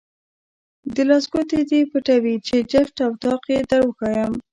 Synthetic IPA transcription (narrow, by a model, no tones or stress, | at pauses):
d̪əlɑsɡot̪ed̪epəʈawit͡ʃed͡ʒɪfʈawt̪ɑqed̪aɽwəxɑjəm